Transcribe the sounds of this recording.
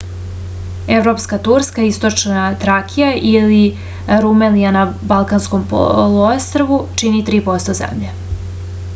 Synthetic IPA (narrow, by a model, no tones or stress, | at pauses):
evɾopskat̪uɾskaist̪ot͡ʂnat̪ɾakʰijaʔili | ɾumelijanabalˠkanskompo̰luost̪ɾoʋut͡ʂinit̪ɾiːpo̞st̪ozḛmʎe